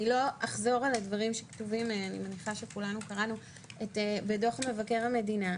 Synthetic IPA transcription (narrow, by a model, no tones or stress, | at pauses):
ilo̞ʔaχzo̞ʁaladvaʁimʃektuvimanḭmeniχaʃe̞kulanukaʁanu | etebedo̞χme̞vake̞ʁhame̞dina